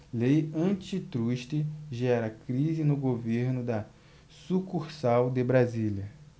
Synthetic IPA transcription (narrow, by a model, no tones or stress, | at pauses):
lejɐ̃t͡ʃit̪ɾuʃt̪ɪʒɛɾɐkɾizɪnʊɡoveɾnʊd̪ɐ | sukuɾsawd̪ɪbɾazilɐ